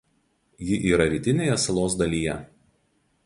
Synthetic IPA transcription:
jɪʔiːɾɐɾʲiˑt̪ʲɪnʲeːjɛsɐlˠoːs̬d̪ɐlʲiːjɛ

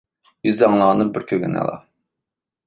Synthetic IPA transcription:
jyzjɑŋlˠɑːnɨbɪɾkʲʰøɡʲynɛ̰lˠɑ̰

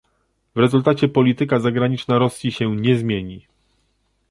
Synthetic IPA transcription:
vɾɛzult̪at͡ɕɛpɔlʲit̪ɘkazaɡɾaɲit͡ʂnaɾɔsʲjiɕɛɲɛzmʲjeɲi

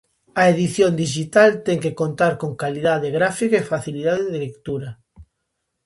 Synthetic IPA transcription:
ɐeðiθjond̪iʃit̪alt̪ɛŋkekont̪aɾkoŋkaliðaðeɣɾafikaefaθiliðaðeðelekt̪uɾɐ

